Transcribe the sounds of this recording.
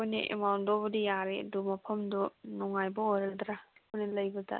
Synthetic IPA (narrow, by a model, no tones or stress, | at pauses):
kojniʔḛmawndobɐdijaɾedumɐpʰɐmdɔnɔŋajbɔŋojɾɐld̪ɾakojnilɐjbɯt̪ʰa̰